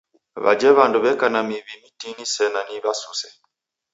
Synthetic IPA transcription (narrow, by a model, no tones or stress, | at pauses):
βa̰d͡ʒɛβanduβɛkanamiβimitinisɛnaniβasusɛ